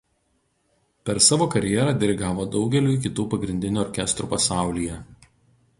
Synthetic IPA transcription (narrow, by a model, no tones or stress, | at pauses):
pʲɛɾsɑːʋoːkɐɾʲjɛːɾɑːd̪ʲɛɾʲɪɡɑːʋoːd̪ɒʊɡʲɛlʲuːˑɪkʲɪt̪uːpɐɡɾʲɪnʲd̪ʲɪnʲuɔɾʲkʲɛst̪ɾuːpɐsɑˑʊlʲiːjɛ